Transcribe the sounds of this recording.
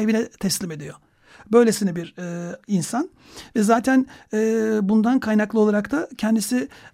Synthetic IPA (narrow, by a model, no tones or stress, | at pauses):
evinɛt̪ʰɛslʲime̞d̪ijo̞ | bø̞jlʲe̞sinɛbiɾɛinsan | vɛzaːt̪ʰænɛːbund̪ankʰajnaklˠɯo̞lˠaɾakt̪ʰacʰɛnd̪isi